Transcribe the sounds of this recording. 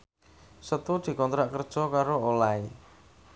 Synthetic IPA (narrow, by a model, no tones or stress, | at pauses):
sət̪ud̪̥i̤kɔnt̪ɾaʔkərd̥ʒ̥ɔ̤kaɾoolae